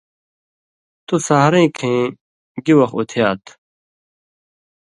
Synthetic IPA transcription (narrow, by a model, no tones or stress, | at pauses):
t̪usaɦɾẽːkʰẽː | ɡiwɐxut̪ʰjaːt̪ʰ